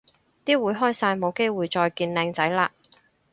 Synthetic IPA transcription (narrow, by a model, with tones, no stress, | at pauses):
t̪iː˥wuː˨˥jɦɔː˥jsaː˧jmo˨˧wke˥jwuː˨jt͡ʃɔː˧jkiː˧nlɛː˧ŋt͡sɐ˨˥jlaː˧